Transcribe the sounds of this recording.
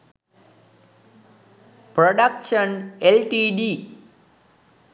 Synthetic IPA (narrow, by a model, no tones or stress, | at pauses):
pɾoɖɐkʂənelʈiɖi